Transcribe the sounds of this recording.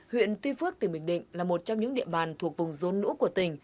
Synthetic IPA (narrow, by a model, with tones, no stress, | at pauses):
hwḭ˧˨ənt̪wi˧fɨ˦˥ək̚t̪i˨˩ɓï˨˩ŋ̟ɗḭ̈˧˨ŋ̟laː˨˩mo˨˩t̚t͡ɕɔ˧ŋ͡mɲɨ̰˧˥ŋɗḭ˧˨əɓaː˨˩nt̪ʰu˨˩ək̚vʊ˨˩ŋ͡mzo˨˩nnṵ˧˥ku˧˩ət̪ï˨˩ŋ̟